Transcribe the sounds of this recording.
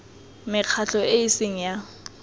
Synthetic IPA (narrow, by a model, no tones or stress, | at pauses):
mɪq͡χʰaɬɔeisɪŋ̩ja